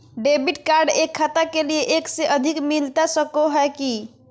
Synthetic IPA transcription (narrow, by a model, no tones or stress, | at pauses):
ɖebiʈkaɾɖekʰːat̪akelijeʔekseʔəd̪ʱikmilt̪asəkoɦɛeki